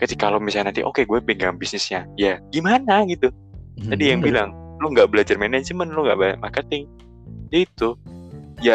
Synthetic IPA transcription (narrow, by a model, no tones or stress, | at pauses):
kad͡ʒikalomisanant̪iʔo̰keɡuɛpeŋɡaŋŋbisnɪsɲajaɡimanaɡit̪u | d͡ʒadijaŋbilaŋloŋɡaʔbəlad͡ʒarmɛnɛd͡ʒəmənloŋɡa̰ʔbaɲa̰ʔmarkət̪ɪŋ | d͡ʒait̪u | ja